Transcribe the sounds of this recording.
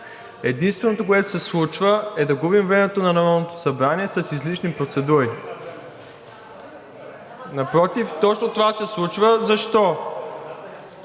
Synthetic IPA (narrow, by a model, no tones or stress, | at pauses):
ɛd̪inst̪vɛnot̪okoɛt̪o̥sɛslˠut͡ʃvəɛd̪ɐɡubimvɾɛmɛt̪onɐnɐmanot̪o̥sɐbɾaniɛsɐsizliʃnipɾot̪sɛd̪uɾi | nɐpɾɔt̪ift̪ɔt͡ʃnot̪ovasɛslˠut͡ʃvəzɐʃt̪ɔ